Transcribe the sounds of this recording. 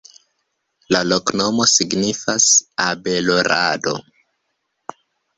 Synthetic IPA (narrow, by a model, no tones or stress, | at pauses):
lalo̞kno̞mo̞siɡnifasabe̞loɾʔado̞̰